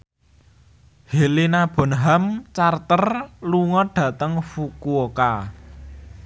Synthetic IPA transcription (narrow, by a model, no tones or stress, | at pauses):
helinab̥ɔ̤nɦamt͡ʃart̪ərluŋɔɖ̥ä̤t̪əŋfukuoka